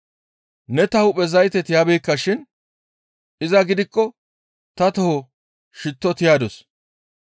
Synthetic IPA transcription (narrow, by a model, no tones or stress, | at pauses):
nɛt̪ɐhʊpʼɛzɐjt̪ɛt̪ɪjaːbejkːɐʃɪn | ɪzɐɡɪd̪ɪkːɔ | t̪ɐt̪ɔhɔ | ʃɪt̪ːɔt̪ɪjaːd̪ɔs